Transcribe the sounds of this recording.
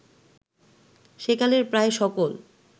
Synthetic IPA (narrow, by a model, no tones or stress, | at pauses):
ʃekaleɾpɾaeʃɔkol